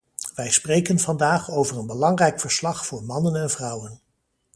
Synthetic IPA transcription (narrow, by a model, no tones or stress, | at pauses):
ʋɛjsprejkənvɑndaːχowvərənbəlɑŋrɛjkfəɹslɑχfʊːɹmɑnənɛnvrɑwən